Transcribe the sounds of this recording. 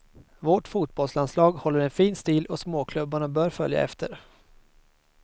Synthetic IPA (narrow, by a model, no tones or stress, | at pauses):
vɔʈfuːt̪̚bɔlslanslɑːɡhɔlːəɾɛnfiːnst̪iːlʔɔsmoːkʰlɵbːaɳabœːɾfœlja̰ɛ̰ft̪əɾ